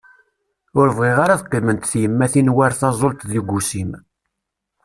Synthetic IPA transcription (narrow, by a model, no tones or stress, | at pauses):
ʊɾvʁiʁaɾaðqːimənt̪θjəmːæθinwaɾθɑzˤolt̪ˤðiɡʷusim